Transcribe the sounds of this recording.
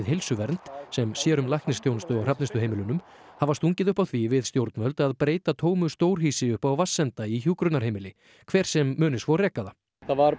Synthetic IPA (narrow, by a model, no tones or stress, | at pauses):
ðɦejlsʏvɛɾnt̪sɛmsjɛːɾʏmlajhk̪nɪst̪jownst̪ʏɔwrapnɪst̪ʏheːjmɪlʏnʏm | havast̪uɲcɪðʏhpawθʰvivɪðst̪jowɾt̪nvœlt̪aðpɾeːjt̪at̪ʰoːwmʏst̪oːwɾ̥ɦiːsɪʏhpawvasːɛnt̪aiçjuːkɾʏt̪naɾheːjmɪlɪ | kʰv̥ɛːɾ̥sɛmːœːnɪsvɔrɛːkːaða | θavaɾ